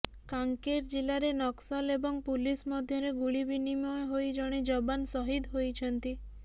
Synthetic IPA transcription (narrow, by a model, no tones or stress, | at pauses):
kaŋkeɾd͡ʒilaɾenɔksɔlebɔŋpulismɔd̪ʱjɔɾeɡuɭibinimɔeɦojd͡ʒɔɽ̃id͡ʒɔbansɔɦid̪ɦojt͡ʃʰɔnt̪i